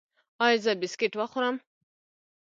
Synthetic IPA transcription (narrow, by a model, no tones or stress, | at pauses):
ɑjzəbɪskeʈwaxʊɾam